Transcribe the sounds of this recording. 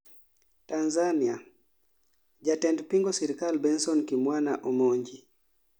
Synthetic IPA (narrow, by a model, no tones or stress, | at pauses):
tanzania | d͡ʒatɛndpiŋɡɔsɛɾikalbɛnsɔnkimwanaʔomoɲd͡ʒi